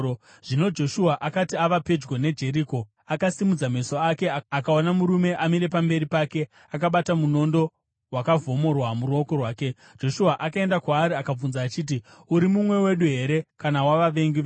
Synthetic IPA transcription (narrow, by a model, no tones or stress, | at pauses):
ʐ̥ino̞d͡ʒo̞ʃuaʔakatiaʋape̞d͡ʒɡone̞d͡ʒe̞ɾiːko̞ | akasimud͡zame̞so̞ake̞akao̞namuɾume̞ʔamiɾe̞pambe̞ɾipake̞ | akaɓatamuno̞ndo̞ | wakavo̞mo̞rwamuruo̞ko̞rwaːke̞ | d͡ʒo̞ʃuaʔakae̞ndakwaːɾiakab͡vunzaːt͡ʃiːt̬i | uɾimumwe̞we̞ɗuɦe̞ɾe̞kanawaʋaʋe̞ŋɡiʋ